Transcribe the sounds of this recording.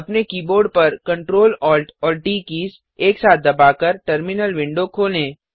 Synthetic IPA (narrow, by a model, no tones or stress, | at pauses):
ɐpnekiːboːɾɖ̚pɐɾkɐ̃ɳʈɾoːlɔːlʈɔːlʈiːkiːs | eːksaːt̪̚ʰd̪ɐbaːkəɾʈəɾmɪnəlʋɪ̃ɳɖokʰoːlẽː